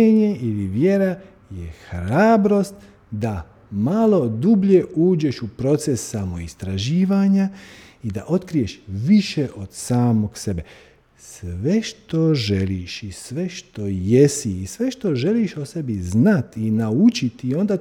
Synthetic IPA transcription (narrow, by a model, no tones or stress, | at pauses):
eɲe̞iliʋje̞ɾa | jexɾaːbɾo̞st̪ | d̪a | malo̞d̪ubʎe̞uːd͡ʑe̞ʃupɾo̞t̪sesːamo̞ist̪ɾaʒiːʋaɲaid̪a̰ʔo̞t̪kɾije̞ʃʋiʃeʔo̞d̪̥saːmo̞ɡse̞be̞ | sʋe̞ʃt̪o̞ʒeliʃisʋe̞ʃt̪o̞je̞siːsʋe̞ʃt̪o̞ʒe̞liʃose̞biznat̪inaut͡ʃit̪io̞nd̪a